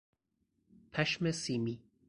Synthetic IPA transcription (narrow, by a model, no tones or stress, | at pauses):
pʰæʃmesiːmiː